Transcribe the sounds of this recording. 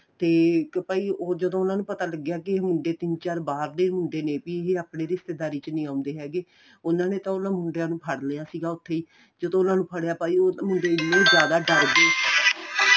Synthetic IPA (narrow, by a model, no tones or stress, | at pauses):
t̪eːpaːiːoːd͡ʒəd̪õːʊnãːnũːpət̪aːləɡːejaːkɪmʊɳɖeːt̪ɪnt͡ʃaːɾbaːɾd̪eːmʊɳɖeːneːpiːɦeːaːpneːɾɪst̪eːd̪aːɾiːt͡ʃnĩːãːʊ̃nd̪eːɦɛːɡeː | ʊnãːneːt̪ãːʊnãːmʊɳɖejãːnũːpʰəɽlejaːsiːɡaːʊt̪ʰːeːiː | d͡ʒəd̪õːʊnãːnũːpʰəɽejaːpaːiːoːmʊɳɖeːɪnːẽːd͡ʒjaːd̪aːɖəɾd̪eː